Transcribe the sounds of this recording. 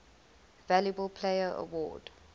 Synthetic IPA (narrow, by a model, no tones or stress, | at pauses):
valjubəlˠpʰleɪəɹʔə̰wɔ̰ːd̥